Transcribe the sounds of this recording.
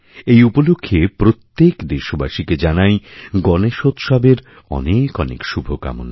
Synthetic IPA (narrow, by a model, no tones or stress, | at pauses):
ejupolokʰːepɾot̪ːekd̪eʃobaʃiked͡ʑanajɡɔneʃot̪ʃabeɾ | ɔ̰nekɔnḛkʃubʱoka̰mo̰na